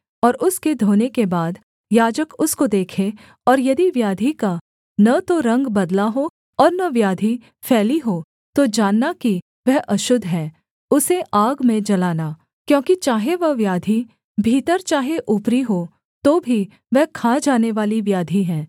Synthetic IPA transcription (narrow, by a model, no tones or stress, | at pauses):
ɔːɾʊsked̪ʱoːnekebaːd̪ | jaːd͡ʒəkʊskod̪eːkʰe | ɔːɾjɐd̪iʋjaːd̪ʱika | nɐt̪oɾɐ̃ŋɡbɐd̪laɦo | ɔːɾnɐʋjaːd̪ʱi | fʰɛːliɦoː | t̪od͡ʒaːnːaki | ʋɛɦʔɐʃʊd̪ʱɦɛ̃ː | ʊseʔaːɡmẽd͡ʒɐlaːna | kjõːkit͡ʃaːɦeʋɐɦʋjaːd̪ʱi | bʱiːt̪əɾt͡ʃaːɦeʔʊpɾiɦo | t̪oːbʱi | ʋɛɦkʰaːd͡ʒaːneʋaːliʋjaːd̪ʱiɦɛ̃ː